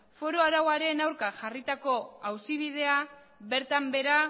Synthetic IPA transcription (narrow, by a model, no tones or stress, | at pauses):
fo̞ɾoaɾawaɾe̞nawɾkaʝarit̪ako̞awsiβ̞ið̞e̞a | βe̞ɾt̪ambe̞ɾa